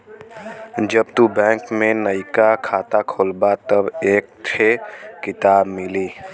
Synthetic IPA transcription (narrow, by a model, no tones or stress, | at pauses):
d͡ʒɐbt̪ubɛ̃ːŋkmẽnəɪkakʰaːt̪akʰoːlbat̪əbeːk̚t̪ʰekɪt̪aːbmɪliː